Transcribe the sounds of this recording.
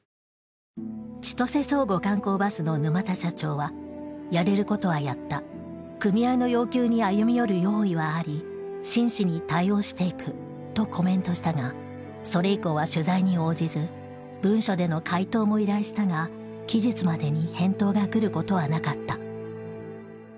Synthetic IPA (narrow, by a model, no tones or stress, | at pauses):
t͡ɕi̥t̪o̞se̞so̞ːɡo̞kãŋko̞ːbasɨno̞nɯ̟mat̪aɕat͡ɕo̞ːβajaɾe̞ɾɯ̟ko̞t̪o̞βajat̪ːa | kɯ̟mʲiaino̞jo̞ːkʲɨːɲ̟iajɯ̟mʲijo̞ɾɯ̟jo̞ːiβaːɾʲi | ɕĩɰ̃ɕiɲ̟it̪aio̞ːɕi̥t̪e̞ikɯ̟ | t̪o̞kʰo̞mẽ̞nt̪o̞ɕi̥t̪aŋa | so̞ɾe̞iko̞ːβaɕɨzaiɲ̟io̞ːd͡ʑizɨ | bɯ̟̃ɰ̃ɕo̞d̪e̞no̞kʰait̪o̞ːmo̞iɾaiɕi̥t̪aɡa | kʲiʑit͡sɨmad̪e̞ɲ̟ihẽ̞nt̪o̞ːɡakɯ̟ɾɯ̟ko̞t̪o̞β̞anakat̪ːa